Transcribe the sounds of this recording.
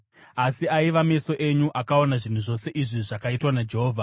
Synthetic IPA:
asiaiʋame̞so̞ʔe̞ɲuʔakao̞naʐin̤uʐo̞se̞ʔiʐiʐakaitwanad͡ʒe̞ɦoːvʱa

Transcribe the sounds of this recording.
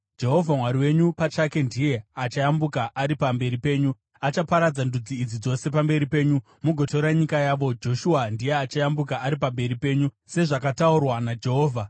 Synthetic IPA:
d͡ʒe̞ɦo̞vʱamwaɾiwe̞ɲupat͡ʃake̞ndije̞at͡ʃajambukaʔaɾipambe̞ɾipe̞ːɲu | at͡ʃapaɾad͡zandud͡ziːd͡zid͡zo̞se̞pambe̞ɾipe̞ːɲu | muɡʱo̞to̞ɾaɲikajaʋo̞d͡ʒo̞ʃuandije̞at͡ʃajambukaʔːɾipambe̞ɾipe̞ːɲu | se̞ʐakataurwanad͡ʒe̞ɦo̞ːvʱa

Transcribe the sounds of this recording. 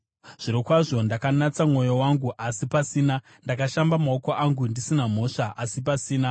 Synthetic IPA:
ʐ̥iɾikwaʐo̞ndakanat͡samŋo̞jo̞waŋɡuʔasipasiːna | ndakaʃambamaokoʔaŋɡundisinam̤o̞ʂaʔasipasiːna

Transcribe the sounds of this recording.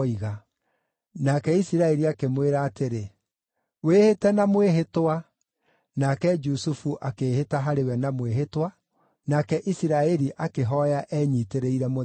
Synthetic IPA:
iɣa | nakɛisiɾaɛɾiakemweɾaːteɾe | wehetɛnamweɦetwa | nakɛd͡ʒusufuʔakeːhetaɦaɾewɛnamweɦetwa | nakɛʔisiɾaɛɾiʔakeɦɔjaʔɛːɲiteɾeiɾɛmo

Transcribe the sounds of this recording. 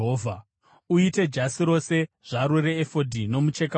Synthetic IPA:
ɦoːvʱa | uite̞d͡ʒasiɾo̞se̞ | ʐ̥aɾuɾeːfo̞dʱino̞mut͡ʃeka

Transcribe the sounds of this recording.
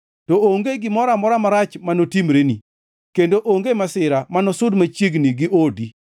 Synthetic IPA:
tɔoŋɡeɡɪmɔɾamɔɾamaɾat͡ʃmanotimɾeni | kendoʔoŋɡemasɪɾamanɔsʊdmat͡ʃjeɡniɡɪʔodi

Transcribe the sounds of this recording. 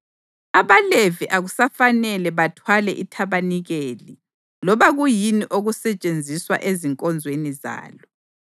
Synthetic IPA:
aβaleviʔaɣusafanɛlɛβatʰwalɛ̰ʔitʰaβaniɣeːli | lɔβaɣujiniʔoɣusɛt͡ʃʼend͡zʱiswa̰ʔeziŋkʼɔnd͡zʱweniza̰ːlɔ

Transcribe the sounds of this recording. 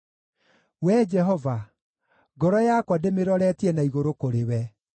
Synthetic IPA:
wɛd͡ʒɛɦɔva | ɡɔɾɔjakwademeɾɔɾɛtiɛnaiɣoɾokoɾewɛ

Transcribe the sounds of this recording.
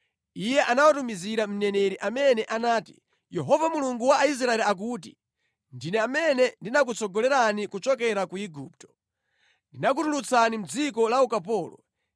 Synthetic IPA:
ijɛʔanawatumiziɾam̩nɛnɛɾiʔamɛnɛʔanaːti̥̰ | jɛɦɔvamuluŋɡuwaːis̬ɾaɛliak̬uːt̬i̥̰ | ndinɛamɛnɛndinak̬ut͡sɔɡɔlɛɾanikut͡ʃɔkɛɾakuiɡuːp̚tɔ̥ | ndinak̬utulut͡sanim̩d͡zikɔlaukapɔːlɔ̰

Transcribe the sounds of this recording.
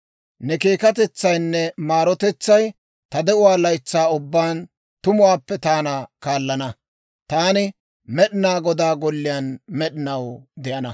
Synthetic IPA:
nɛkeːkɐt̪̬ɛt͡sːɐjnːɛmaːɾɔt̪ɛt͡sːɐj | t̪ɐd̪ɛʔʊwaːlɐjt͡sːaːʊbːaːn | t̪ʊmʊwaːpːɛt̪aːnakaːlːɐnɐ | t̪aːnɪ | mɛɗɪnaːɡɔd̪aːɡɔlːɪjɐnmɛɗɪnɐwd̪ɛʔɐnɐ

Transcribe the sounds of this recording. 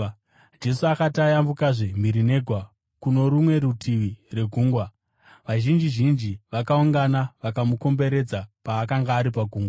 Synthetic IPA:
d͡ʒe̞suakatajambukaʐem̤iɾine̞ɡʱwa | kuno̞ɾumwe̞ɾutʰiʋire̞ɡʱuːŋɡwa | ʋaʒind͡ʒiʒind͡ʒiʋakauŋɡanaʋakamuko̞mbe̞ɾe̞d͡zapaːkaŋɡaːɾipaɡʱuːŋɡwa

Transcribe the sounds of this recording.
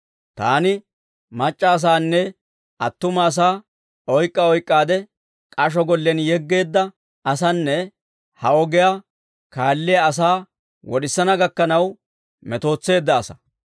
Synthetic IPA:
t̪a̰ːnɪ | mɐt͡ʃʼːɐːs̬aːnːɛ | ɐt̪ːʊmɐːs̬aː | ɔjkʼːɐɔjkʼːaːd̪ɛ | kʼɐʃ̬ɔɡɔlːɛnjɛɡːe̞ːd̪ːɐ | ɐsɐnːɛ | hɐɔɡɛja | kaːlːɪjɐːs̬aː | wɔɗɪsːɐnɐɡɐkːɐnɐw | mɛt̪o̞ːt͡sːe̞ːd̪ːɐːsɐ̥

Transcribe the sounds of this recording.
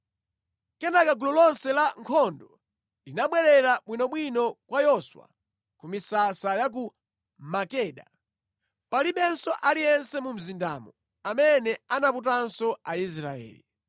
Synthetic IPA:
kɛnakaɡulɔlɔnsɛlaŋkʰɔndɔ | linaɓwɛɾɛɾaɓwinɔɓwinɔkwajɔswa̰ | kumisasajak̬u | makɛːɗa | paliɓɛnsɔʔaliɛnsɛmum̩zinda̰mɔ | amɛnɛanaput̬ansɔais̬ɾaɛ̰ːli

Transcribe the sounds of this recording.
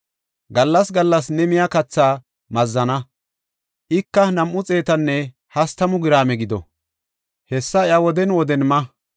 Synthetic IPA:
ɡɐlːɐsɡɐlːɐs̬nɛmɪjakɐt͡sːaː | mɐzːɐnɐ | ʔɪkːɐnɐmʔʊt͡sʼe̞ːt̪ɐnːɛ | hɐst̪ɐmʊɡɪɾaːmɛɡɪd̪ɔ̰ | hɛsːɐɪɐwɔd̪ɛnwɔd̪ɛnmɐ

